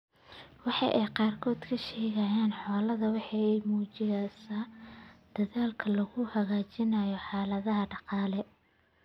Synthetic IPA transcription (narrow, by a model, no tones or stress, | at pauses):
wɑħɑ̰jʔɛjqɑːrkʰɔːd̪kʰɐʃɛːɣɐjaːnħɔːlɐðɐwɑħɑɛjmuːt͡ʃɪɣaːsaːd̪̥ɐðaːlkʰɐlɐɣʊhɐɣaːt͡ʃɪnɐjɔħɑːlɐðɐɦɐɖɑqɑːlɛ